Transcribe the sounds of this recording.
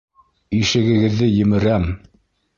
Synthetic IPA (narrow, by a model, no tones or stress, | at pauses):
iʃɘ̆ɡɘ̆ɡɘ̆ðːɘjɘ̆mɘ̆ɾæm